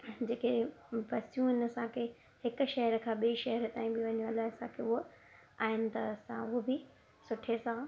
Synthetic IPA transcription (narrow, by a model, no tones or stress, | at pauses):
d͡ʑeːkepɐsijũɦɪnɐsãkʰe | hɪkʃɐɦəɾkʰãːɓiiʃɐɦəɾət̪aːĩbɪʋɐɲũɐlaɦɪsãkʰeːʊɦo | aːɦɪnɪ̆t̪ɐsã̰ʊɦobɪ | sʊʈʰesã